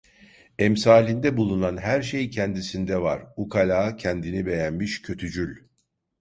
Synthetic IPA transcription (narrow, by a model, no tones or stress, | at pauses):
ɛmsaːlʲind̪ɛbulˠunanɦæɾʃejcʰɛnd̪isind̪ɛvaɾ̥ukʰalʲaːcʰɛnd̪inibe̞jænmiʃcʰø̞t̪ʰyd͡ʒylʲ